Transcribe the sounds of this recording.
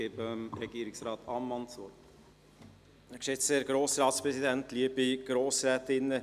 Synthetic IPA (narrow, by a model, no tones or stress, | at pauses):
eːbəmɾɛɡ̥iːɾɪksɾɑːt̪ʰɑmːɑnt͡sʋɔɾt | æɾkʃetseːɾɡ̥ɾoːsɾɑːtspɾɛsid̪ɛntliəbiɡ̥ɾoːsɾɛːtɪnːə